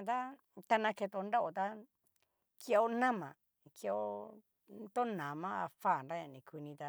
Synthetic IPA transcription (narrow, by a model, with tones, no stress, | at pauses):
t̪a˦ | t̪a˧nã˧ke˧t̪o˧nda˦ʔo˨t̪a˦ | ke˧o˧nã˦mã˨ | ke˧ʔo˧ | t̪o˦nã˨mã˦a̰˧fa˦˨nɾa˦ɲã˨nĩ˨ki˧nĩ˧t̪a˧